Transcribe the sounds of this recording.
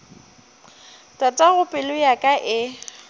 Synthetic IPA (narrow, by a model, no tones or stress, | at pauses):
tʼatʼaɣʊpʼɪlʊjakʼaʔɪ